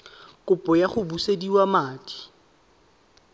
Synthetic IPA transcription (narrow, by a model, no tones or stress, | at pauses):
kʼʊpʼɔjaχʊbusediwamaːtʼi̥